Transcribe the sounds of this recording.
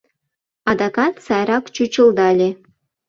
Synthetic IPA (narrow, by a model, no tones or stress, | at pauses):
ɑd̪ɑkɑt̪sɑjɾɑkt͡ɕut͡ɕə̆ld̪ɑlʲe